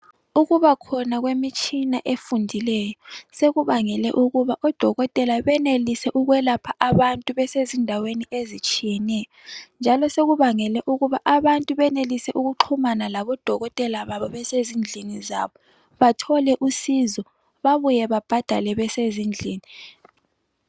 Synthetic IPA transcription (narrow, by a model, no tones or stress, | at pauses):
uɣuβakʰɔnaɣwemit͡ʃʼinaʔefundʱilɛjɔseɣuβaŋɛlɛ̰ʔuɣuβaʔɔd̥ʱɔɣɔtʼɛlaβɛnelisɛʔuɣwɛlapʰaʔaβantʼuβɛsezindʱaweniezit͡ʃʼijɛnɛjɔnd͡ʒʱalɔseɣuβaŋɛlɛʔuɣuβaʔaβantʼuβɛnelisɛʔuɣuǃʰumanalaβɔd̥ʱɔɣɔtʼɛlaβaβɔβɛsezind͡ɮʱiniza̰ːβɔ | βatʰɔlɛʔusizɔ | βaβujɛβab̥ʱad̥ʱa̰lɛβɛsezind͡ɮʱiːni